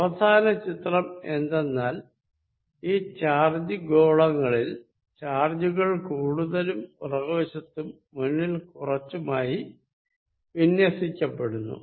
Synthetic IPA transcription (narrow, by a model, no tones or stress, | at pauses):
ɐʋɐd̪ʱaːnɐt͡ɕit̪rɐme̞̰nd̪e̞nːaːl | iːt͡ɕaːrd͡ʑiɡo̞ːɭɐŋːɐɭil | t͡ɕaːrd͡ʑuɣɐɭkuːɽuðɐlumṵrɐɣoːɕɐt̪ːumːunːilkurɐt͡ɕːumaːji | ʋinjɐsikʲːɐpːe̞ɽunːṵ